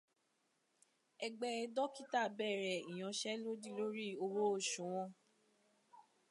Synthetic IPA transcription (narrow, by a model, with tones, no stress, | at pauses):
ɛ˧ɡ͡bɛ˧˦ɛ˧dɔ˦ki˦ta˦˨bɛ˦˨ɾɛ˨i˨j̃ɔ̃˨˧ʃɛ˦lo˦di˦lo˦ɾi˦˨o˧wo˦o˦˨ʃũ˨˦w̃ɔ̃˦˧˦